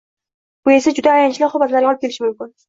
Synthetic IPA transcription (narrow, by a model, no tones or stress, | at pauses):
bʊe̞sad͡ʒʊd̪aːjanɪt͡ʃlɪχʊbat̪laɾɡʲɒlˠɪp̚kʲe̞lɪʃɪmʊmkʲʊn